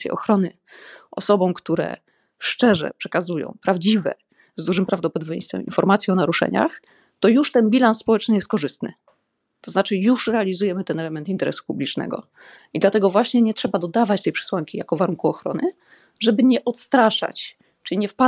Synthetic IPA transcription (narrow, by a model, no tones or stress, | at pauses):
jɛ̰ʔɔxɾɔnɘ | ɔ̰sɔbɔ̃w̃kt̪uɾɛ̰ | ʂt͡ʂɛʐɛ̰pʂɛkazujɔ̰̃w̃pɾavd͡ʑivɛ̰ | zd̪uʐɘmpɾavd̪ɔpɔd̪ɔbʲjɛ̰̃j̃st̪fɛ̰mḭnfɔɾmat̪sʲjɛɔnaɾuʂɛ̰ɲa̰x | t̪ɔjuʂt̪ɛnbʲilansːpɔwɛt͡ʂnɘjɛst̪kɔʐɘst̪nɘ̰ | t̪ɔznat͡ʂɘjuʂɾɛalʲizujɛmɘt̪ɛnɛlɛmɛnt̪int̪ɛɾɛ̰su̥publʲit͡ʂnɛ̰ɡɔ̰ | id̪lat̪ɛɡɔvwaɕɲɛɲɛtʂɛbad̪ɔd̪avat͡ɕt̪ɛjpʂɛ̥swaŋkʲijakɔvaɾuŋkuɔxɾɔ̰nɘ | ʐɛbɘɲɛʔɔt̪st̪ɾaʂa̰t͡ɕ | t͡ʂɘiɲɛfpa